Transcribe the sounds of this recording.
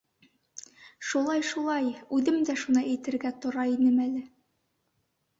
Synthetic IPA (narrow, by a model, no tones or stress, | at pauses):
ʃulˠɑjʃulˠɑjʉðɘmd̪æʃunɑʔæjt̪ɘ̆ɾɡæt̪ŏɾɑinɘmælɘ